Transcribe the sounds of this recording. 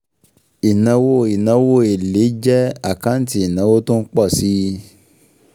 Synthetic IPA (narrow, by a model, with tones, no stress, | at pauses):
i˨nã˧wo˦i˨nã˧wo˦e˨le˨˦d͡ʒɛ˦a˦˨kã˨˦n̩˦ti˦i˨nã˧˦wo˦tũ˦n̩˦k͡pɔ˦˨si˨˦